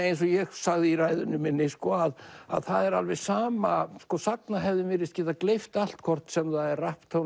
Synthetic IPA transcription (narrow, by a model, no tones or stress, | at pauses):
ejns̬ɔɣjɛɣsaɣðɪiraːjðʏnːʏmɪnːɪskɔaða̰ðθaðɛɾa̰lvɛsaːmaskɔsaknaɦɛvðɪmɪːɾɪst̪cɛːt̪aklejft̪al̥t̪kʰɔr̥t̪sɛmθaðɛrrahpt̪ʰow